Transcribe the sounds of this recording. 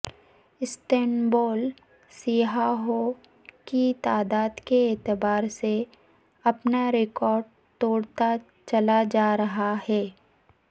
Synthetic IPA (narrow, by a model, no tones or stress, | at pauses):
ɪsʈɛːnboːl | siɦaɦo | kit̪aːd̪aːd̪keːt̪ɪbaːɾse | ɐpnaɾɪkɔːɾɖ | t̪oːɽt̪a | t͡ʃɐlad͡ʒaːɾɐɦahɛː